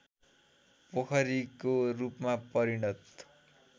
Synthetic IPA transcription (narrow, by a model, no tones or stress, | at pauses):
pʌkʰʌɾikorupmapʌɾiɽʌt̪